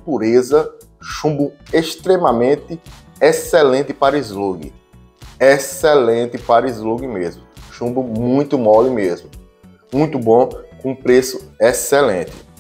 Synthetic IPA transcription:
puɾezɐ | ʃũbʊ̃eʃt̪ɾemɐmẽnt̪ɪ | esɛlẽt̪ɪpaɾizluɡɪ̰ | esɛlẽt̪ɪpaɾizluɡimezmʊʃũbʊ̃mũj̃t̪ʊmɔlimezmʊ | mũj̃t̪ʊbõkõũpɾesʊesɛlḛ̃t̪ɪ̥

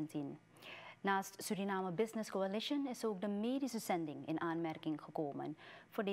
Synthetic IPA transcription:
ntinː | aːstsyrinaːməbɪznɪskoalɪʃənɪsoːk̚dəmeːdisəz̥ɛndɪŋɪ̰naːnmɛrkɪŋχəkoːmə̰nvʊːrd

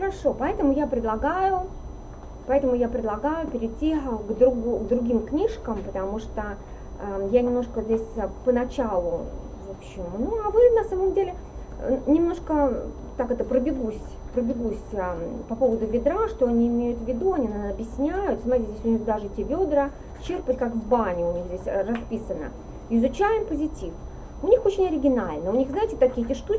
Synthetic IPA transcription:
xəɾɐʂo̞pɐɛt̪əmʊjapɾʲɪd̪lˠɐɡajʊ | pɐɛt̪əmʊjapɾʲɪd̪lˠɐɡajʊpʲɪɾʲɪtʲːiɡd̪ɾʊɡɡd̪ɾʊɡʲimknʲiʂkəmpət̪ɐmuʂt̪ə | janʲɪmno̞ʂkəzʲdʲesʲpənɐt͡ɕalˠʊ | vopɕːɪmnuɐvɨnɐsaməmdʲelʲɪ | nʲɪmno̞ʂkə | t̪akɛt̪əpɾəbʲɪɡusʲ | pɾəbʲɪɡusʲəpɐpo̞vəd̪ʊvʲɪd̪ɾaʂt̪o̞ɐnʲiːmʲejʊt̪vʲɪd̪uɐnʲinanɐbʲjɪsʲnʲæjʊt̪smaitʲɪzʲdʲesʲʊnʲixd̪aʐɨtʲebʲo̞d̪ɾə | t͡ɕerpətʲkakvbanʲɪʊnʲixdʲesʲrɐspʲisənə̰ | ɪzʊt͡ɕæjɪmpəzʲɪtʲif | ʊnʲixot͡ɕɪnʲɐɾʲɪɡʲɪnalʲnəʊnʲixznajɪtʲɪt̪ɐkʲijət̪ʲeʂt̪u

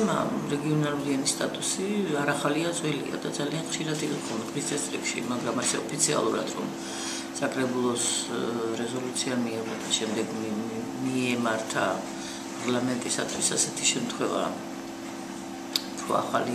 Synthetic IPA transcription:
ma̰ɾɛɡiɔnalˠuɾianist̪ʼat̪ʼusiaɾaχaliad̪zwɛlḭa̰d̪ad̪zalianχʃiɾat̪ʰikɔχɔlˠmɛkʰɾist̪sʰɛst̪ʼɾikʃḭmaɡɾamasɛɔpʰit̪sʰia̰lˠuɾad̪ɾɔ̰m | sakʼɾɛbulˠɔs | ɾɛzɔlut̪sʰiamiɛvɛt̪ʰaʃɛmd̪ɛɡ | miɛmaɾt̪ʰa | pʼaɾlamɛnt̪ʼisa̰t̪ʰwisasɛt̪ʰi̥ʃɛmt̪ʰχwɛva̰ | t̪ʰṵa̰χali

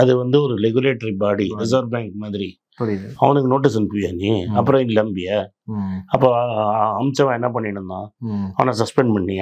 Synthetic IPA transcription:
ɐðɯʋɐnd̪ɯɔɾɯɾɛɡʊleːʈːɐɾibaːɽiɾɐzɐːɾbaːŋkmaːðɪɾi | ɐʋɐnɯkːɯnoːʈ̬ːis̬ɛnɯpuːjaːniɐpːɯɾɐ̃ɪnlɐmbɪjɐ | ɐpːoɐmt͡ʃɐʋãːɛnːɐpɐɳːɪɳɐnd̪ãːɐʋɐnasɐspɛɳɖpɐɳːɪ

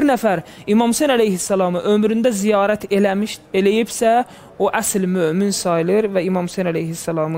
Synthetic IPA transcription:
ɾnæfæɾimɑmhusenælejhisːælɑːmɯʔømɾynd̪æzijɑːɾæt̪ʰeʃelejibsæ | oʔæslmøːminsɑjlˠɯɾvæimɑmhusejnælejhisːælˠɑːmɯ

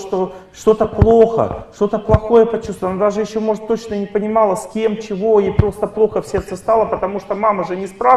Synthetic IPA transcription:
ʂt̪o̞ʂt̪o̞t̪əplˠo̞xə̰ʂt̪o̞t̪əplˠɐxo̞jəpɐt͡ɕust̪vnad̪aʐɨjɪɕːomo̞ʐɨt̪ːo̞t͡ɕnənʲɪpənʲɪmɑlˠəsʲkʲe̞mt͡ɕɪvo̞ipɾo̞st̪əplˠo̞xəfsʲe̞rt̪səst̪alˠəpət̪ɐmuʂt̪omaməʐɨnʲɪspɾa

